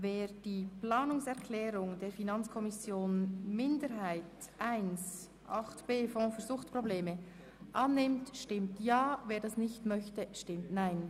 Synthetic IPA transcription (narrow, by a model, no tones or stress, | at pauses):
veːɾd̥iːplaːnʊŋsɛɐkʰlɛːɾʊŋdeːɾfinɑnt͡skʰɔmɪsjoːnmɪndəɾɦaɪtʔaɪns | ʔɑχtb̥eːfɔ̃ːfyːɐɾzʊχtpʁ̥obleːmə | ʔɑnːɪmtʃtɪmtjaːveːɾdɑsnɪçtmœçtəʃtɪmtnaɪn